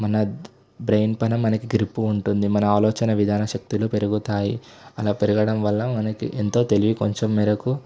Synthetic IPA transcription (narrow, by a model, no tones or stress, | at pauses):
mɐnɐ | bɾejnpɐnɐmːɐnɐkiɡɾipːuːɳʈund̪imɐnɐaːlɔːt͡ʃɐnɐʋid̪ʱaːnɐʃɐk̚t̪iluːpe̞ɾuɡut̪aːjiɐlaːpe̞ɾuɡɐɽɐmʋɐlːɐmɐnɐkḭʔent̪o̞ːt̪e̞liʋikoɲt͡ʃemːɛːɾɐku